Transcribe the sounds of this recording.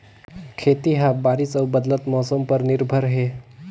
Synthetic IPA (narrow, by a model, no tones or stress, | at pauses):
kʰeːt̪iɦãbaːɾɪsəːbəd̪lət̪mɔːsəmpɐɾnɪɾbʱəɾɦeː